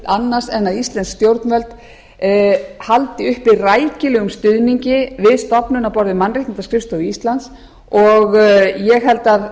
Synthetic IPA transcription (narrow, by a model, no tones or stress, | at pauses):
anːaɾ̥sɛnːaðist̪lɛnskst̪jowɾt̪nvœlt̪ | halt̪ɪʏhpɪðraːjcɪlɛːɣʏmst̪ʏðniɲcɪvɪðst̪ɔpnʏnawpɔɾðɪmanrɪh̪nnt̪askɾɪfst̪ɔist̪lant̪s | ɔɣjɛɣɦɛlt̪að